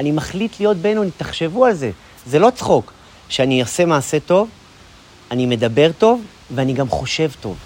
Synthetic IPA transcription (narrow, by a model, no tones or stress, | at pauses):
animaχlitlijo̞t̚be̞nuanitaχʃe̞vualze̞ | ze̞lo̞t͡sχo̞k | ʃeaniose̞maːse̞to̞v | anime̞d̪abe̞ʁto̞v | veaniɡamχo̞ʃe̞vto̞̰v